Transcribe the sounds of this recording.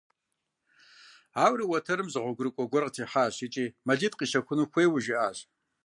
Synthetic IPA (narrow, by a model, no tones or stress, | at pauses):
aːwriwɐtʰɐɾɨmzɨʁʷɔɡʷʊɾɨkʷʼɔɡʷɔrqʼtʰiːħaːɕit͡ʃʼiːmɐɮidʼqʼiːʃɐkʷʰʊnuxʷeːwʊʒiʔaːɕ